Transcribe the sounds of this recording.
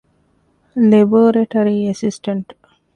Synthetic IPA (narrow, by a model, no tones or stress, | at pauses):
leboːɾeʈoɾiesisʈɐɳʈ